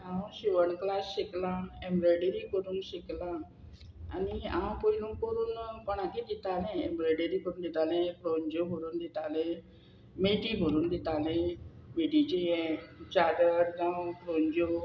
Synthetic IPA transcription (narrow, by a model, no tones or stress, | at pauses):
ãɕiʋəɳklasɕeklãembɾɔɖeɾikəɾuːnɕiklã | aniã̰pəilũŋkəɾuːnpəɳ̃akid̪it̪alẽembɾɔjɖeɾikəɾuːnd̪it̪alẽfɾoɲd͡ʑobʱoɾuːnd̪it̪alẽ | meʈibʱoɾuːnd̪it̪alẽ | meʈit͡ɕijẽt͡ɕadəɾd͡zãpɾoɲd͡ʑo